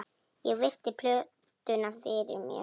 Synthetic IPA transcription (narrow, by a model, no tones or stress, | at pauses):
jɛɣvɪr̥t̪ɪpʰlœ | t̪ʏnafɪɾɪ̰ɾmjɛ̰